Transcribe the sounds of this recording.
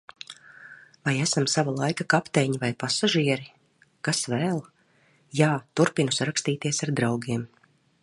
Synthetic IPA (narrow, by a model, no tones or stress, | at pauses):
vajæsamsavalˠajkakapt̪ɛɲivajpasaʒiɛɾi | kasvɛːlˠ | jaːt̪uɾpinusaɾakst̪iːt̪iɛsaɾd̪ɾawɡiɛm